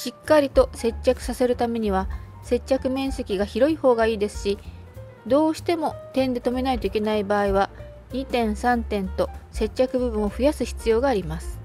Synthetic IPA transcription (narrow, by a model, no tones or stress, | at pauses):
ɕikːaɾʲit̪o̞se̞t͡ɕːakɯ̟sase̞ɾɯ̟t̪ame̞ɲ̟iβ̞a | se̞t͡ɕːakɯ̟mẽ̞ɰ̃se̞kʲiɡaçiɾo̞iho̞ːɡaiːd̪e̞sɨ̥ɕi | d̪o̞ːɕi̥t̪e̞mo̞t̪ẽ̞nd̪e̞t̪o̞me̞nait̪oike̞naibaːiβa | ɲ̟it̪ẽ̞ɰ̃sãnt̪ẽ̞nt̪o̞se̞t͡ɕːakɯ̟bɯ̟bɯ̟̃ɰ̃o̞ɸɯ̟jasɨçi̥t͡sɨjo̞ːɡaːɾʲimasɨ̥